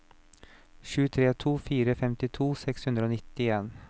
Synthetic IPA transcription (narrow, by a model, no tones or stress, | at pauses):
ɕʉ̟ːt̪ʰɾeːt̪ʰuːfyːɾəfɛmt̪ɪt̪ʰuːsɛkshɵnd̪ɾəoːnɪt̪ːɪeːn